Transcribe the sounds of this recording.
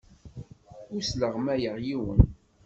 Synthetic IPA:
usləʁmæjəʁjiwə̰n

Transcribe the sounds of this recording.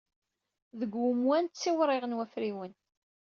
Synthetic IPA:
ðəɡwʊmwænt̪t͡sːiwɾˤɪʁnwæfɾiwən

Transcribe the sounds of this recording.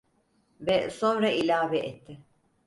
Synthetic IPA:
vɛso̞nɾaʔilʲaːvɛʔet̪ʰːɪ

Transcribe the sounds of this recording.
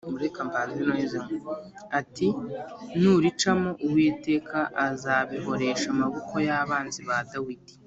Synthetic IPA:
muɾekambaːnzinoizeme | atinuɾit͡ʃamo̞ʔuwete̞ːkʰaʔazaβiɦo̞ɾe̞ːʃamaβoko̞jaːβaːnziβadawidi̥

